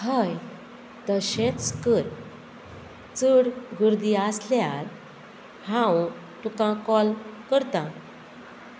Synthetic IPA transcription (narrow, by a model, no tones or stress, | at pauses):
həj | d̪əɕẽtskəɾ | t͡səɽɡəɾd̪iasljaɾ | hãw | t̪ukãkɔlkəɾt̪ã